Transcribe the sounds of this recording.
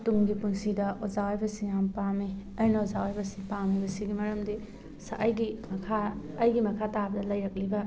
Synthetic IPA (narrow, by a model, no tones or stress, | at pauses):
tuŋɡipuŋsidɐʔozawajbɐsiŋjampamiɐjnɐozawajbɐsiŋpamibɐsiɡimɐɾɐmdi | sɐʔɐjɡimɐkʰaː | jɡimɐkʰatabɐdɐlɐjɾɐk̚libɐ